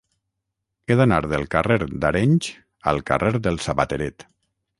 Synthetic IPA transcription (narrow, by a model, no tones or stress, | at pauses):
eðanaɾðəlˠkareɾd̪aɾeɲʲʒ | ə̰lˠka̰reɾðəlˠsaβat̪eɾet̪